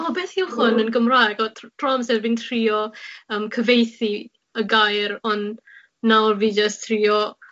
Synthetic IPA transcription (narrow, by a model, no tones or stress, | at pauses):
ɔbeːθiwχʊnənɡəmraːɛɡɔtʰtʰrɔmsɛvvintʰriɔəːmkʰəvejθi | əɡajrɔnː | awrviːd͡ʒəstʰriɔ